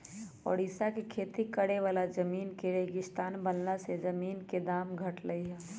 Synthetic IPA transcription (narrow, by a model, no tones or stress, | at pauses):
ɔ̰ːɾɪsakekʰeːt̪ikəɽeʋaːlad͡ʒəmiːnkeɾeːɡɪst̪aːnbəlnased͡ʒəmiːnked̪aːmɡʱəʈləiɦɛː